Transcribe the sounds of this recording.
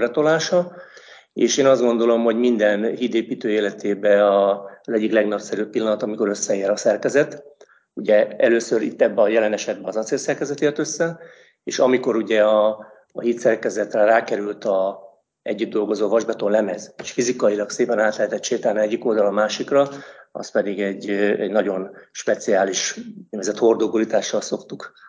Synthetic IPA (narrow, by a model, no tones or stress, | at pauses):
bɛt̪olaːʃɒ | eːʃeːnɒzd̪ɡo̞nd̪o̞lo̞mɦo̞ɟmind̪ɛnɦid̪eːpiːt̪øːeːlɛt̪eːbɛɒɒzɛɟːiklɛɡnɒpsɛɾypːilːɒnɒt̪ɒmiko̞ɾø̞sːɛeːɾɒsɛrkɛzɛt̪ | uɟɛɛløːsøɾḭt̪ːɛbːɛɒjɛlɛnɛʃɛd̪̚bɛɒzɒt̪seːrsɛrkɛzɛt̪eːrt̪ø̞sːɛ | eːʃɒmiko̞ɾuɟɛɒː | hit̪sɛrkɛzɛt̪rɛraːkɛɾylt̪ɒ | ɛ̰ɟːyd̪d̪o̞lɡo̞zoːvɒʒbɛt̪onlɛmɛzeːʃfizikɒjilɒkseːpɛnaːt̪lɛɦɛt̪ɛt̪ʃeːt̪aːlnɛɛɟːiko̞ld̪ɒlɒmaːʃikrɒɒ̰spɛd̪iɡɛɟːɛ̰ɟnɒɟo̞nʃpɛt̪siaːliʃnɛvɛzɛt̪ho̞rd̪oɡulit̪aːʃːɒlso̞kt̪uk